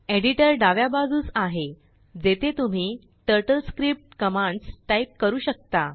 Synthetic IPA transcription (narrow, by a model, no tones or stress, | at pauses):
eɽiʈəɾɖaʋjabad͡zuːt͡saɦe | d͡zet̪ʰet̪um̤iː | ʈəɾʈəlskɾip̚ʈ̚kəmãɳɖsʈaip̚kəɾuːɕək̚t̪a